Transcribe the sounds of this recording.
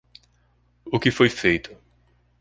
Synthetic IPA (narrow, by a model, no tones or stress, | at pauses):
ʊkɪfojfejt̪ʰʊ̥